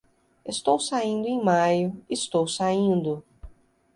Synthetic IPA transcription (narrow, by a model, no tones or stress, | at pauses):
est̪owsaĩnd̪ʊẽj̃majʊist̪owsaĩnd̪ʊ